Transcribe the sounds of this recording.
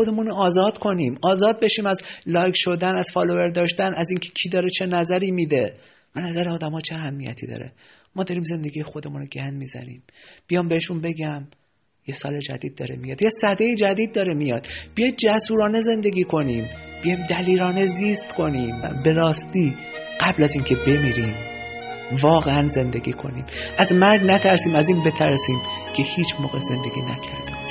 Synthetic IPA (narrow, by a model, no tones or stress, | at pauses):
od̪e̞munoːzɒːd̪̥kʰo̞niːmɒːzɒːd̪̚be̞ʃiːmæzlɒːjkʃo̞d̪ænæz̥fɒlo̞ve̞ɾd̪ɒːʃt̪ænæziːŋcʰe̥cʰiːd̪ɒːɾet͡ʃʰe̞næzæɾiːmiːd̪e̞ | b̥enæzæɾeɒːd̪æmɒːt͡ʃʰeæhæmːijæ̰t̪ʰḭːd̪ɒ̰ːɾḛ | mɒːd̪ɒːɾiːmze̞nd̪e̞ɡiːjexo̞d̪e̞muːnoɟænd̪miːzæ̰nḭːmbijɒːmbeheʃunbe̞ɟæm | jesɒːled͡ʒæ̰d̪iːd̪̚ːɒ̰ːɾḛmijɒːd̪jesæd̪ejid͡ʒæd̪iːd̪̚ːɒːɾemijɒ̰ːd̪̥b̥ijɒjd̪d͡ʒæsuːɾɒːneze̞nd̪e̞ɡʲiːkʰo̞niːmb̥ijɒjmd̪æliːɾɒːne̞zist̪kʰo̞niːmbe̞ɾɒːst̪iː | ɢ̥æblæziːncʰe̞be̞miːɾiːm | vɒːɣeænze̞nd̪e̞ɡʲḭːkʰo̞̰nḭːmʔæzmæɾɡnæt̪ʰæɾsiːmæziːnbe̞t̪ʰæɾsiːm | cʰe̞hiːt͡ʃʰmoːɣeze̞nd̪e̞ɡʲiːnæ̰cʰæ̰ɾd̪̥im